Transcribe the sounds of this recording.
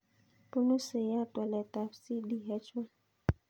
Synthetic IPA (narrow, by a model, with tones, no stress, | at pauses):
pu˦nu˦se˨ja˦˨twɛ˨lɛ˨ta˨fsi˦ɗi˨ɦɛ˦t͡ʃe˦